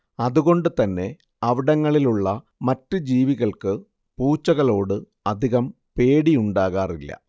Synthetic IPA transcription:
ɐðuɣo̞ɳɖɨt̪ɐnːe̞ | ɐʋiɽɐŋːɐɭiluɭːɐ | mɐtːɨd͡ʑiːʋiɣɐɭkɨ | puːt͡ɕːɐɣɐɭo̞ːɽɨ | ɐd̪ʱiɣɐm | pe̞ːɽijuɳɖaːɣaːrilːɐ̰

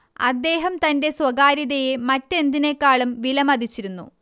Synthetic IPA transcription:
ɐ̰d̪ːe̞ːɦɐmt̪ɐnde̞swɐɡaːɾiðɐjemɐtːe̞nd̪ine̞kːaːɭɐmʋilɐmɐd̪it͡ɕːiɾunːṵ

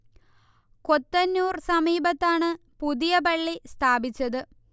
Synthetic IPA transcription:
ko̞t̪ːɐnːuːrsɐmiːbɐt̪ːaːɳɨ | puðijɐbɐɭːist̪ʰaːbit͡ɕːɐðɨ

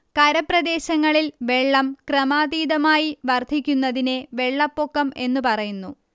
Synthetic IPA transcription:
kɐɾɐprɐd̪e̞ːɕɐŋːɐɭilʋe̞ɭːɐmkrɐmaːd̪iːd̪ɐmaːjiʋɐrd̪ʱikʲːunːɐðine̞ʋe̞ɭːɐpːokːɐme̞nːupɐrɐjunːu

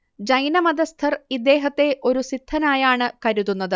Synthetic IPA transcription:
d͡ʑɐjnɐmɐd̪ɐst̪ʰɐrid̪ːe̞ːɦɐt̪ːe̞ʔo̞ɾusid̪ʰʱːɐnaːjaːɳɨkɐɾuðːunːɐðɨ

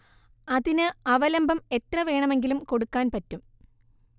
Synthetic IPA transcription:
ɐðinɨɐʋɐlɐmbɐme̞trɐʋe̞ːɳɐme̞ŋɡilumko̞ɽukːaːnpɐtːum

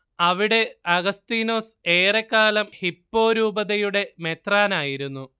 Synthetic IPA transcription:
ɐʋiɽe̞ɐɡɐst̪iːno̞ːse̞ːrekːaːlɐmhipːo̞ːɾuːbɐðɐjuɽe̞me̞t̪raːnaːjiɾunːu

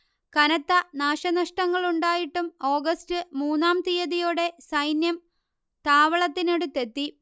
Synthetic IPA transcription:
kɐnɐt̪ːɐnaːʂɐnɐʂʈɐŋːɐɭuɳɖaːjiʈːumo̞ːɡɐstɨmuːnːaːmt̪ijɐðijoːɽe̞sɐjnjɐm | t̪aːʋɐɭɐt̪ːineɽut̪ːe̞t̪ːi

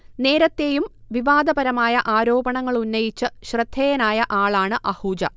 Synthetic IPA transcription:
ne̞ːɾɐt̪ːe̞ːjumʋiʋaːd̪ɐbɐɾɐmaːjɐʔaːɾo̞ːbɐɳɐŋːɐɭunːɐjit͡ɕːɨɕrɨd̪̥ʱːeːjɐnaːjɐʔaːɭaːɳɨʔɐhuːd͡ʑɐ

